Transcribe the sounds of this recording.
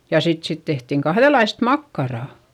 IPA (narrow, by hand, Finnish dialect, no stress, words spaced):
jɑ sit siːt tehtiŋ kɑhðelɑist mɑkːɑrɑˑ